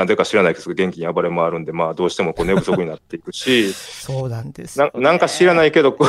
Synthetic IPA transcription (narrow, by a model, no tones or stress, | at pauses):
azekaɕiɾanaiked̪oɡẽ̞ŋkʲiɲ̟iabaɾemoaɾɯ̟̃nd̪e̞maːd̪o̞ːɕi̥t̪e̞mo̞koːne̞bɯ̟so̞kɯ̟ɲ̟inat̪ːe̞ikɯ̟ɕi | nãnãŋkaɕiɾanaike̞d̪o̞k